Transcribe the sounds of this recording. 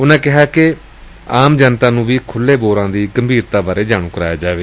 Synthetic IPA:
ʊnãːkɪɦaːke | aːmd͡ʒaːnt̪aːnũːʋiːkʰʊlːeːboːɾãːd̪iːɡəmbʱiːɾt̪aːbaːɾeːd͡ʒaːɽ̃ũːkəɾa̰ːjaːd͡ʒaːʋeː

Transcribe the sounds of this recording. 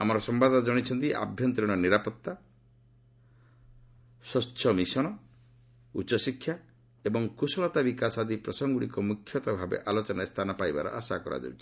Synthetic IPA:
amɔɾɔsɔmbad̪ɔnɔd͡ʒɔɽ̃it͡ʃʰɔnt̪iʔa̰bʱjɔnt̪ɾiɽ̃ɔniɾapɔt̪ːa | sɔːʃʰɔmisɔɽ̃ɔ | ut͡ʃɔsikʰːja | ebɔŋkusɔlɔt̪abikasad̪ipɾɔsɔŋɡuɽikɔmukʰːjɔt̪ɔbʱabḛʔalot͡ʃɔnast̪ʰanɔpajba̰ɾɔ̰ʔasakɔɾʔa̰d͡ʒo̰wt͡ʃʰi̥

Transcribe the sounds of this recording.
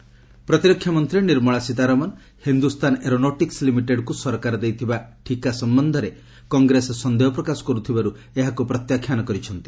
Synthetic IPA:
pɾɔt̪iɾɔkʰːjamɔnt̪ɾiniɾmɔɭasit̪aɾɔmɔn | hind̪ust̪ʰaneɾonoʈikslimiʈeɖkusɔɾkaɾɔd̪ejt̪ʰibaʈʰikasɔmbɔnd̪ʱɔɾe | kɔŋɡɾesɔsɔnd̪eɦɔpɾɔkasɔ̥kɔɾut̪ʰibaɾu | eɦakupɾɔt̪jakʰːjanɔkɔɾit͡ʃʰɔnt̪i̥

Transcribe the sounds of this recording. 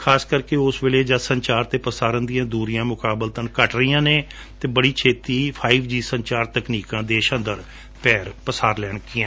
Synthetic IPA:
kʰaːskəɾkeʊsʋeːleːd͡ʒəsəɲt͡ʃaːɾt̪eːpəsaːɾənd̪ijãːd̪uːɾijãːmʊkaːbəlt̪ənkəʈɾəijãːneː | t̪eːbəɽiːt͡ʃʰeːt̪iːpʰaːiʋd͡ʒiːsəɲt͡ʃaːɾt̪əkniːkãːd̪eːʃə̃nd̪əɾ | pɛːɾpəsaːɾlɛːɳkɪːã

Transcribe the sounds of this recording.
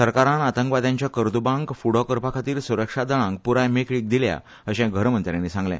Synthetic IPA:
səɾkaɾãnat̪əŋkʋad̪jãɲt͡ɕjakəɾd̪ubãŋkfuɽɔkəɾpakʰat̪iːɾsuɾəkʂad̪əɭãŋk̚puɾãjmekɭiːk̚d̪ilja̰ | əɕɛ̃ɡʱəɾmənt̪ɾjãnːisãŋɡlɛ̰̃

